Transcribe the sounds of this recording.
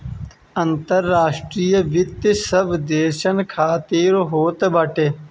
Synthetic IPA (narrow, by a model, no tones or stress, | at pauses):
ənt̪əɾːaːʂʈɾijəʋɪt̪isəbd̪eːʃənkʰaːt̪iːɾoɦoːt̪baʈʰe